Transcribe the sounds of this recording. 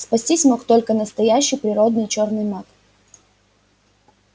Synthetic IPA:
spɐsʲtʲisʲmokt̪o̞lʲkənəst̪ɐjæɕːɪjpɾʲɪɾo̞d̪nɨjt͡ɕo̞rnɨjmak̪

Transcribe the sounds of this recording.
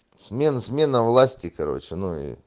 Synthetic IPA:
smʲensmʲe̞nəvlˠasʲtʲɪkɐɾo̞̰t͡ɕɪnuḭ

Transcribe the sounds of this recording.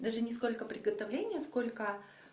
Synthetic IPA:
d̪aʐɨnʲɪs̬ko̞lʲkəpɾʲɪɡət̪ɐvlʲenʲɪjəsko̞lʲkə

